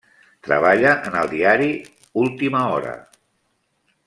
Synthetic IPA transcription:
t̪ɾə̰β̞aʎəʔənəlˠd̪iaɾi | ulˠt̪iməɔɾə̰

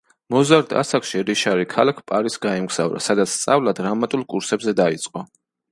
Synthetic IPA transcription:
mɔzaɾd̪a̰sakʃiɾiʃaɾikʰalakʰpʼaɾisɡaimɡz̥avɾa̰sad̪at̪sʰt̪sʼavlˠad̪̥ɾamat̪ʼulˠkʼuɾsɛbzɛd̪ait̪sʼqʼɔ

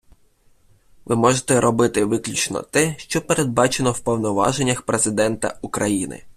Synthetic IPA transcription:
ʋɪmɔʒet̪ɛɾɔbɪt̪ɪʋɪklʲut͡ʃnɔ̰t̪ɛʃt͡ʃɔpeɾe̞d̪̚bɑt͡ʃenɔwpɔwnɔʋɑ̰ʒenʲːɐxpɾe̞zɪd̪ɛnt̪ɐ̰ukɾɐjinɪ̰

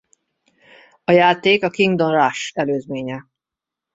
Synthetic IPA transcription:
ɒjaːt̪eːkɒkiŋɡd̪o̞nraʃɛløːzmeːɲɛ

